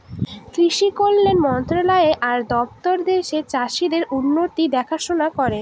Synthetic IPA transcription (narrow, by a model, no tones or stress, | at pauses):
kɾiʃikolːenmɔnt̪ɾolaeʔaɾd̪ɔp̚t̪oɾd̪eʃet͡ɕaʃid̪eɾunːot̪id̪ɛkʰaʃonakɔɾe